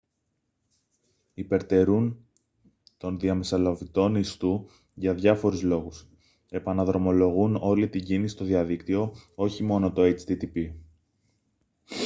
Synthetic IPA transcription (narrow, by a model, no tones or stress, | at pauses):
ipe̞ɾt̪e̞ɾun | t̪o̞nðiɐmisɐlɐvit̪o̞nist̪u | ʝɐðʝɐfo̞ɾuzlo̞ɣus | e̞pɐnɐðɾo̞mo̞lo̞ɣuno̞lit̪iɟinisi̥st̪o̞ðiɐðikt̪io̞o̞çimo̞no̞t̪o̞et͡ʃt̪it̪ipi